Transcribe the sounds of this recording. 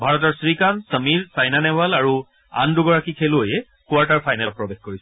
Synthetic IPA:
bʱaɹɔtɔɹsɹikansəmiɹsajnanɛbalaɹu | a̰nduɡɔɹakikʰelʊojɛ | kʊaɹtaɹpʰajnat̚pɹɔbexkoɹisɛ

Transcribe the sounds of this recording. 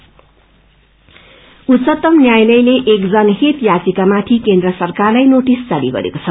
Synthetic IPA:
ut̪sʌt̪ʌmnjajlʌjleʔekd͡zʌnɦet̪jat͡sikamat̪ʰikend̪rʌsʌrkarlajnoʈist͡sʌɾiɡʌ̰ɾḛkot͡sʰʌ

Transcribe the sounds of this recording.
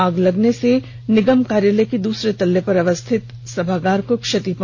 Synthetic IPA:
aːɡlɐɡnese | nɪɡəmkaːɾjələkid̪uːsɾet̪ɐlːepɐɾɐʋəst̪ʰɪt̪ | sɐbʱaːɡaːɾkokʃɐt̪ip

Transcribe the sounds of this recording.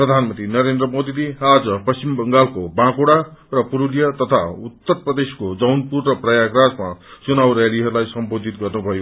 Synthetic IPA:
prʌd̪ʱanmʌnt̪inʌɾend̪rʌmod̪ilead͡zʌpʌst͡ɕimbʌŋɡalkobãkoɽarʌpuɾuljʌt̪ʌt̪ʰaut̪ːʌrprʌd̪eskod͡zʌwnpurːʌprʌjaɡrad͡zmat͡sunawɾeliɦʌɾulajsʌmbod̪ʱit̪̚ɡʌrnubʱʌjo

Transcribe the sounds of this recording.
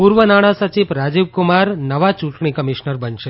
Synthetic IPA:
puɾʋənaɽ̃ãsət͡ʃiʋɾad͡ʒiʋkʊmaɾnəʋat͡ʃũʈɳikəmiʃnəɾbənʃe

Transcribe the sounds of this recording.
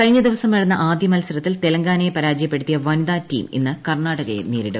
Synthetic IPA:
kɐɻɲːɐd̪iʋɐsɐmʋɐɽɐnːɐʔaːd̪jɐmɐlɐsɐɾɐt̪ːilt̪elɐŋɡaːnepɐɾaːd͡ʑjɐpːe̞ɽut̪ːijɐʋɐnid̪aːtːḭːmḛnːɨkɐrɳaːɽɐɣɐjḛneːɾiɽɨ

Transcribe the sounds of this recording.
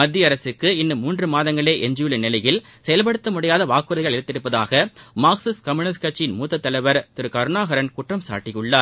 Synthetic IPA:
mɐd̪ːɪjɐɾɐsɯkːɯɪnːɯmːuːndrɯmaːðɐŋɡɐɭeːʔɛɲd͡ʒujɯlɯnɪlɐjɪl | sɛjɐlpɐɽɯt̪ːɐmʊɽɪjaːðɐʋaːkɯɾɐɪɣɐɭɪɾɯt̪ːɪɾɯpːɐða̰ːɣɐmaːksɪskɐmuːnɪskɐt͡ʃːɪnmuːt̪ːɐt̪ːɐlɐʋɐɾt̪ɪɾɯkɐɾɯnaːɣɐɾɐnkʊʈrɐmsa̰ːʈːɪjɯɭːaːɾ

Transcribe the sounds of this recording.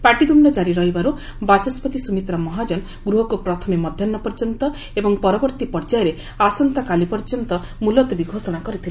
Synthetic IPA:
paʈid̪umɖɔd͡ʒaɾiɾɔɦibaɾu | bat͡ʃɔspɔt̪isumit̪ɾɔmɔɦad͡ʒɔn | ɡɾuɦɔkupɾɔt̪ʰɔmemɔd̪ʱjɔnːɔpɔɾd͡ʒɔnt̪ɔ | ebɔŋpɔɾɔbɔɾt̪ipɔɾd͡ʒajɔɾe | asɔnt̪akalipɔɾd͡ʒɔnt̪ɔ | mulɔt̪ɔbiɡʱosɔɽ̃akɔɾit̪ʰil

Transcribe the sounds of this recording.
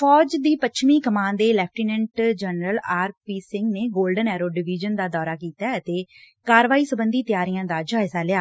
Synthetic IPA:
fʰɔːd͡ʒd̪iːpət͡ʃʰmĩːkəmãːnd̪eːlɛːp̚ʰʈiːnɛ̃ɳʈd͡ʒɛnɾəlaːɾpiːsɪŋɡneːɡoːlɖənɛːɾoːɖɪʋiːd͡ʒənd̪aːd̪ɔːɾaːkiːt̪aːət̪eː | kaːɾʋaːiːsəbənd̪iːt̪ɪjaːɾijãːd̪aːd͡ʒaːɪsaːlɪjaː

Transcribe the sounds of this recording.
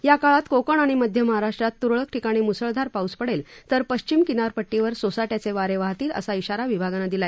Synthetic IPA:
jakaɭat̪kokəɳ̃aɽ̃iməd̪ʱjəməɦaɾaʂʈɾat̪ːuɾɭək̚ʈʰikaɽ̃imusəɭd̪ʱaɾpauspəɽelt̪əɾpəɕt͡ɕimkinaɾpəʈːiʋəɾsosaʈjat͡seʋaɾeʋaɦt̪iːlə̰saiɕaɾaʋibʱaɡanad̪ilae

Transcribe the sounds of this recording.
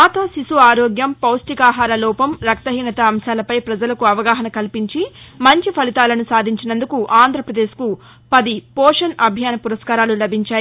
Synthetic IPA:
maːt̪oːsisuaːɾɔːɡjɐmpɐwsʈikaːɦaːɾɐlɔːpɐmɾɐk̚t̪ɐɦiːnɐt̪ɐːmʃaːlɐpɐjpɾɐd͡ʒɐlɐkuɐʋɐɡaːɦɐnɐkɐlipiɲt͡ʃimɐɲt͡ʃipʰɐlit̪aːlɐnusaːd̪ʱiɲt͡ʃinɐnd̪ukuʔaːnd̪ʱɾɐpɾɐd̪eːsku | pɐd̪ipɔːʂɐnɐbʱjaːnɐpuɾɐskaːɾaːlulɐbʱiɲt͡ʃaːji

